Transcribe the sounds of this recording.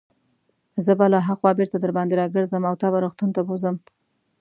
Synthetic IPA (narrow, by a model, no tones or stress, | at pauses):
zəbalaɦaxwɑbeɾt̪ad̪əɾbɑnd̪eɾɑɡəɾzəmawt̪ɑbaɾoxt̪unt̪abozəm